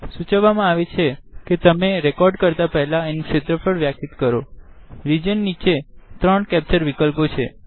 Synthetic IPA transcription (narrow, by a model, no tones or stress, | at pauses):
sut͡ʃəʋamãaʋet͡ʃʰeket̪əmeɾɛkɔɾɖkəɾt̪apɛɦɛlaenukʃet̪ɾəfʰəɽʋjakit̪kəɾoɾid͡ʒənːit͡ʃet̪ɾəɳkɛp̚t͡ʃəɾʋikəlpot͡ʃʰe